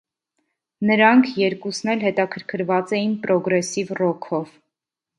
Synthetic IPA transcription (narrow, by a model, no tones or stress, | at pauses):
nəɾɑŋkʰjɛɾkusnɛlɦɛt̪ɑkʰəɾkʰəɾvɑt͡sɛjinpɾɔɡɾɛsivrɔkʰɔv